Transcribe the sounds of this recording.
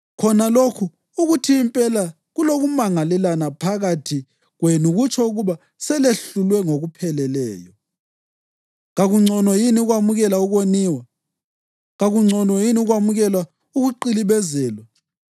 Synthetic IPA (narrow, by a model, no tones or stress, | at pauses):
kʰɔnalokʰuː | ɣutʰiːmpʼɛla | ɣuloɣumaŋalɛlanapʰaɣatʰi | ɣwenuɣut͡ʃʰʼɔuɣuβa | sɛleɬulwɛŋoɣupʰɛlɛlɛ̰ːjɔ | ɣaɣuŋ͡ǀʱɔnwɔjiniuɣwamuɣɛlauɣoniːwa | ɣaɣuŋ͡ǀʱɔnɔjiniuɣwamuɣɛlwa | uɣuǃiliβɛzɛːlwa